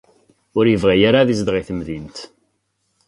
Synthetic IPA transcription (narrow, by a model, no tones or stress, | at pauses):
ʊɾjəvʁæjaɾaðizd̪ʁiθəmðint̪